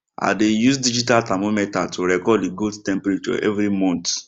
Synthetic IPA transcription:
a̰dejusdid͡ʒitaltamomɛtatʰoɾɛkɔdiɡoldtɛ̃mpɾet͡ʃɔ̰ʔɛ̰vɾimɔ̃nt

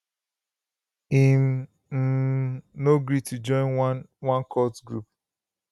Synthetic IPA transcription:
im | m̩noɡɹitʰud͡ʒɔ̃ɪ̃nwãnkʰɔtɡɹup̚

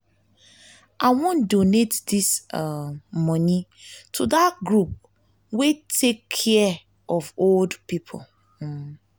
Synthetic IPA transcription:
ʔaɪwɔ̃ndonetdis | mɔnitʰudatɡɹup̚ | wetʰekʰːɛ | ʔɔvoldpipʰo̰l

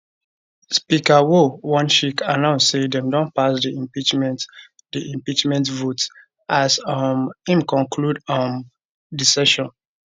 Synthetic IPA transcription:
spikawowɔ̃nʃikanãʊ̃nssedɛ̃mdɔ̃npasdiĩpit͡ʃmɛt | diʔĩmpit͡ʃmɛ̃ntvot | ʔasɔmĩmkɔ̃nkʰludɔm | disɛʃɔ̃n

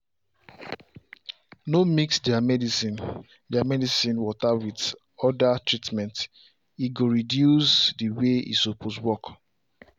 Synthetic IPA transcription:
nomiksdɛamɛdisĩn | dɛamɛdisĩnwɔtawid | ɔdatɹitmɛ̃nt | iɡoɹidjusdiweḭsopʰoswɔk

